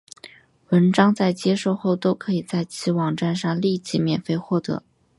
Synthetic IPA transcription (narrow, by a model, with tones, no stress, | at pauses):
wə˧˥nʈ͡ʂɑ˥ŋt͡sa˥˩ɪt͡ɕjɛ˥ʂo˥˧ʊxo˥˩ʊt̪o˥ʊkʰɤ˧˥i˨˩t͡sa˥˩ɪt͡ɕʰi˧˥wɑ˨˩ŋʈ͡ʂa˥˧nʂɑ˥˧ŋli˥˧t͡ɕi˧˥mjɛ˨˩nfe˥˧ɪxwɔ˥˩t̪ɤ̰˧˥